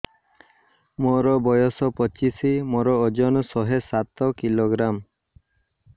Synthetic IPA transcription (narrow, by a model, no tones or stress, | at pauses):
moɾɔbɔjɔsɔpɔt͡ʃisimɔɾɔːd͡ʒɔnsɔɦesat̪ɔkiloɡɾam